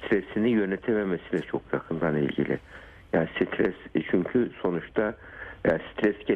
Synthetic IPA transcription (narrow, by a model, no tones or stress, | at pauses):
t̪ɾesinijø̞nɛt̪ʰememesilʲɛt͡ʃʰo̞kjakʰɯnd̪anilʲɟḭlʲḭ | jaːnisit̪ʰɾɛst͡ʃʰyɲcʰyso̞nut͡ʃt̪ʰa | jast̪ɾɛsɟe